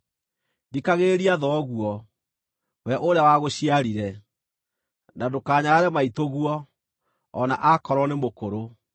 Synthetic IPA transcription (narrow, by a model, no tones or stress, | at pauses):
dikaɣeɾiaðɔɣuɔ | wɛʔoɾeawaɣoɕiaɾiɾɛ | nadokaːɲaaɾɛmaitoɣuɔː | naʔakɔɾɔnemokoɾo